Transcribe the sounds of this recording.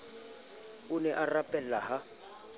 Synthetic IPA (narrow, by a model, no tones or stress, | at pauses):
ʊnɛʔarapʼɛllaɦa